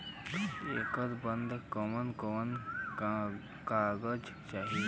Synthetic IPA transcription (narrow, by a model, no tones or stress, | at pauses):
ḛːkəɾbənd̪kəmənkəmən | kaːɡəd͡ʒ | t͡ʃaːɦi